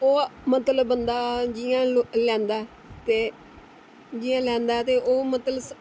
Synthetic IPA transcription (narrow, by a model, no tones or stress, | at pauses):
oːmət̪ləbːənd̪aːd͡ʒiãːlɛ̃ːnd̪aːɛ | t̪eː | d͡ʒiãːlɛ̃ːnd̪aːɛːt̪eːʔoːmət̪ləbs